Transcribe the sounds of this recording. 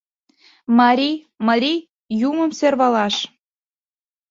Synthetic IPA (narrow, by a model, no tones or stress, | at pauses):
mɑɾʲi | mɑɾʲi | jumə̆mserβɑlɑʃ